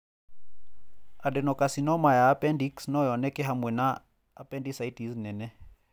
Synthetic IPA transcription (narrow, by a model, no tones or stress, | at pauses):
adɛnɔkasinɔmajaːpɛndiksnɔjɔnɛkɛɦamwɛnaː | pɛndisaitisnɛnɛ